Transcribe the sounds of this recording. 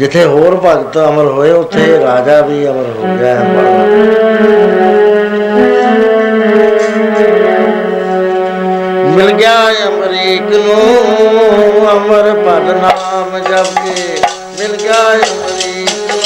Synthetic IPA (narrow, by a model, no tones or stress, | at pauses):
d͡ʒɪt̪ʰːeːɦoːɾpəɡt̪əməɾɦoːeːʊt̪ʰːeːɾaːd͡ʒaːbʱiːəməɾɦoːɡaːeəməɾ | mɪlɡɪjaːeːəmɾiːknõː | əməɾbəlnaːmd͡ʒəbke | mɪlɡjaːeəmɾiː